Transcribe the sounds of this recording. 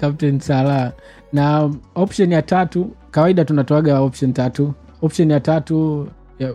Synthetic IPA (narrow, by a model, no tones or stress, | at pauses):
kap̚tɛnsala | naɔpʃɔnijatatukawaiɗatunatɔaɠaɔpʃɔntatu | ɔpʃɔnijatatu | ja